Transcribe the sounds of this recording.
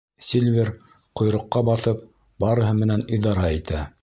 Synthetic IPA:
sʲilʲvʲeɾ | qŏjɾŏqːɑbɑθɤp̚ | bɑɾɤ̆ɦɤmɘ̆næniðɑɾɑit̪æ

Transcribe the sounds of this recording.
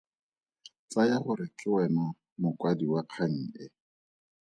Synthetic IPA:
t͡sajahʊɾɪkʼɪwɛnɔ | mʊkʼwadiwaq͡χʰaŋ̩ːɛ

